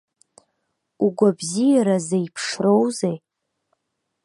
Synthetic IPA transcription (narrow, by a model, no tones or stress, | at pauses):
uɡʷabzijaɾazejpʰʂro̞wzej